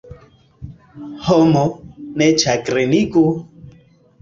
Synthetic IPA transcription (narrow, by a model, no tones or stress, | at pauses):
hɔmɔnɛt͡ʃʰakɾeniku